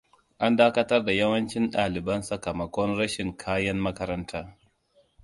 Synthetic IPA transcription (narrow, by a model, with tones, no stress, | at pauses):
ʔa˦ndaː˦kɐ˦tɐ˦rda˨jɐ˦wɐ˦nt͡ʃɪ˦nɗaː˨lɪ˨bɐ˦nsɐ˨kɐ˨mɐ˨kʷɔ˦nɾɐ˦ʃɪ˨ŋkʰaː˦jɐ˦mːɐ˦kɐ˦ɾɐ˦ntʰaː˦